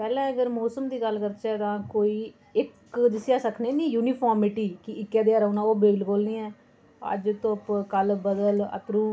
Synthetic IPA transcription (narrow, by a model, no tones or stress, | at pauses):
pɛːlɛ̃ːəɡəɾmoːsəmd̪iːɡəlkəɾt͡ʃɛːt̪ãːkoːiː | ɪkd͡ʒɪsaːsəkʰneːniːjuːniːpʰɔːɾmɪʈiːkɪɪkːɛːd̪ɪjaːɾənãːoːbeːblboːlniːɛ̃ː | ə̰d͡ʒt̪õpkəlbəd̪ələ̰t̪ɾũː